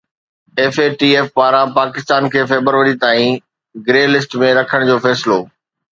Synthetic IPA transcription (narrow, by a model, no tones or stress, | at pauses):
eːfeːʈiːeːfpaːɾãpaːkɪst̪aːnkʰeːfɛːbəɾʋəɾit̪aːĩ | ɡɾeːlɪsʈmẽɾɐkʰəɽ̃d͡ʑoːfɛːsɪloː